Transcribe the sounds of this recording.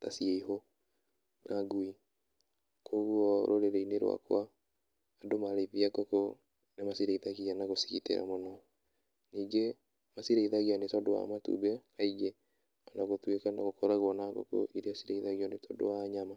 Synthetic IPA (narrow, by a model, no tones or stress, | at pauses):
tasieiɦo | naɡui | kʰoɣwɔɾoɾeɾeineɾwa̰kwaː | domaɾeviaɡɔko | nemasiɾeiðaɣianaɣosi̥kitḛɾa̰mɔnɔ | niːɡe | masiɾeiðaɣianetɔdowa̰matṵbɛɾaiɡe | anaɣotwekana̰ɣokɔɾaɣwɔnaɡɔ̰ko̰ʔiɾeasiɾeiðaɣiɔnetɔ̰dowaːɲama